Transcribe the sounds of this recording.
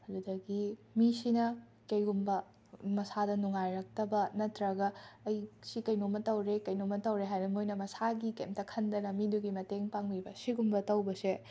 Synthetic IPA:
hɐdudɐkːimisinɐ | kɐjɡumbɐ | mɐsadɐnuŋajɾɐk̚tɐbɐnɐtɾɐɡɐːjsikɐjnomɐtɐwɾekɐjnomɐtɐwɾeɦajbɐmojnɐmɐsaɡikemtɐkʰɐndɐnɐmiduɡimɐteŋpaŋmibɐsiɡumbɐtɐwbɐse

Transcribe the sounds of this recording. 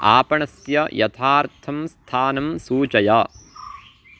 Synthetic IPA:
a̰ːpɐɳɐsjɐjɐt̪ʰaːɾt̪ʰɐmst̪ʰaːnɐmsuːt͡ʃɐjaː

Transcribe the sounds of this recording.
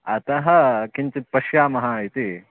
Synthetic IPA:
ɐt̪ɐɦɐkiɲt͡ʃit̪̚pɐʃjaːmɐɦaːit̪i

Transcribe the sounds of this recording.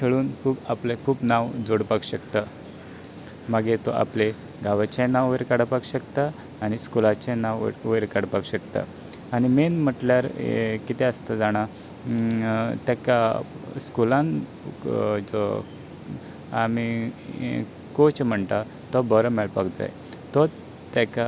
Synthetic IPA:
k̪ʰeɭuːnkʰuːbaplekʰuːpnaʋd͡zoɽpaɡɕəkt̪a | maɡet̪ɔʔa̰ple | ɡʱaʋat͡ɕẽnaʋʋəɾkaɽapaɡɕəkt̪a | aɽ̃iskulat͡ɕẽnaʋʋəɾkaɽpaɡɕəkt̪a̰ | añimenm̤əʈljaɾ̰kit̪eəst̪ad͡zaɽ̃a | t̪jaka | skulãn | d͡zɔ | ami | kot͡ɕm̤əɳt̪a | t̪ɔbəɾəmɛlpaɡd͡za̰j | t̪ɔ | t̪aka

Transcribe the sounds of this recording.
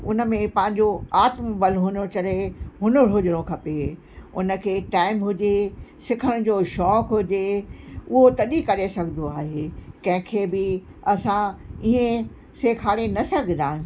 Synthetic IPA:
ʊ̰nə̆mẽpɐ̃ɦɪ̃ɲ̆d͡ʑoaːt̪mbɐlɦʊnot͡ɕɐleɦʊnəɽ̤ʊd͡ʑɪɽ̃okʰɐpe | ʊ̰nə̆kʰeːʈaːɪmɦʊd͡ʑesɪkʰəɽ̃ʊd͡ʑoːʃɔːkɦʊd͡ʑeʊɦot̪ɐɗikɐɾesɐɡʱɪnd̪oaːɦekɐ̃ɦɪ̃kʰeːbɪ | ɐsãiẽ | seːkʰaːɽenɐsɐɡʱɪnd̪aːɪ̃n

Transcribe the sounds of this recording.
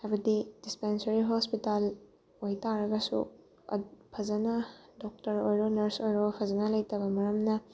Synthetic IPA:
aɾudidispensɐɾiɦospital | ojtaɾɐɡɐsṵ | ɐ̰pʰɐzɐnɐdɔk̚tɐɾojɾɔnɐɾsojɾɔpʰɐzɐnɐlɐjtɐbɐmɐɾɐmnɐ

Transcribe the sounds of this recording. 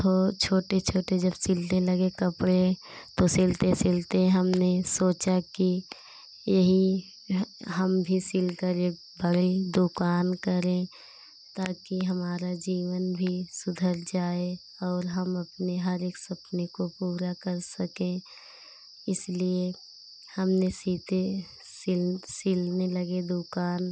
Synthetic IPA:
t̪ot͡ʃʰoːʈet͡ʃʰoːʈed͡ʒɐbsɪlt̪ẽlɐɡekɐpɽet̪osɪlt̪ẽsɪlt̪eɦɛ̃ɦɐmnesoːt͡ʃaki | jɐɦi | ɦɐmbʱisɪlkəɾe | bʱəɽid̪ʊkaːnkəɾẽ | t̪aːkiɦɐmaːɾad͡ʒiːʋənbʱisʊd̪ʱəɾd͡ʒaːe | ɔːɾɦəmɐpneɦəɾeːksɐpnekopuːɾakəɾsəkẽ | ɪslie | hɐmnesiːt̪e | sɪlsɪlnelɐɡed̪ʊkaːn

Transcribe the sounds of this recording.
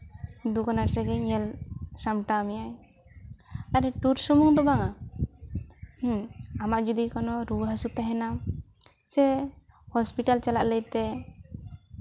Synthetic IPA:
d̪ukɔnaʈɾɛɡɛɲɛlsamʈamijaɲ | aɾɛʈuɾsumuŋd̪ɔbaŋa | h̩amaʔd͡ʒud̪ikɔnɔɾubɦəsut̪aɦɛna | sɛ | hɔspiʈalt͡ʃalaʔləjt̪ɛ

